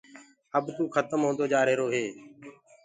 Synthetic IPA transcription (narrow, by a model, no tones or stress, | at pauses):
əbt̪uːxʰət̪əmɦõːnd̪oːd͡ʒaːɾeːɾoːɦeː